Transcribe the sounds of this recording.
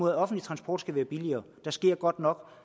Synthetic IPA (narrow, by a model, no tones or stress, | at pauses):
o̝ðˠɒ̽fn̩dlit͡sʰʁɑ̈nsb̥ɒ̰ːd̥sɡ̥æʋæːɐb̥iliɐː | d̥ɑ̈sɡ̥e̝ɐ̰ɡ̥ɒ̽d̥nɒ̽ɡ̥